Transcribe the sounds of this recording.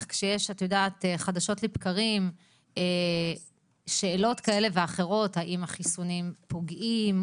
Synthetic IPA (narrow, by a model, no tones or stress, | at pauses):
kʃejeʃatajodaːt̪eχadaʃo̞tlepkaʁim | e | ʃe̞ːlo̞tkae̞le̞veaχe̞ʁo̞thaʔimaχisunimpo̞ɡʔim